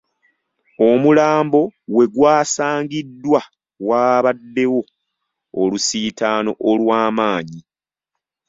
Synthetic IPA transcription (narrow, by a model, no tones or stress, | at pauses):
o̞mulaːmbo̞we̞ɡwaːsaːɲɡidːwa | waːβadːe̞wo̞ː | lusiːtaːno̞̰ʔolwaːmaːɲi